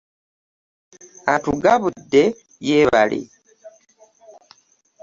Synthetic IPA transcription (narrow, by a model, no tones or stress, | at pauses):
atuɡaβudːe | jeːβa̰lʔḭ